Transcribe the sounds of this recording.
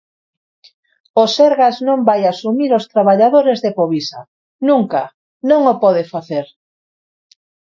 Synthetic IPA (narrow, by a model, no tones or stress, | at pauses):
oseɾɣaznõmbajasumiɾost̪ɾaβaʎaðoɾezðepoβisa̰ | nũŋka̰ | nõŋopɔðefaθeɾ